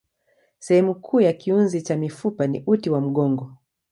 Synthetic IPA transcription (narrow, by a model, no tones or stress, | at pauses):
sɛhɛmukʰuːjakiunzit͡ʃamifupanḭʔutiwam̩ɠɔŋɡɔ